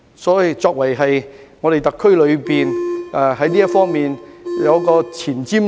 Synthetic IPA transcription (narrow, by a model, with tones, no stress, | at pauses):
sɔː˨˥i˨˧t͡sɔː˧k̚wɐ˨˩jɦɐ˨jŋɔː˨˧ɾe˨jt̪ɐ˨kʰːɵ˥ɥlɵ˨˧ɥpiː˨nʔɛː˨ɦɐ˨˥jniː˥jɐ˥t̚fɔː˥ŋmiː˨njɐ˨˧wkɔː˧t͡sʰiː˨˩nt͡siː˥m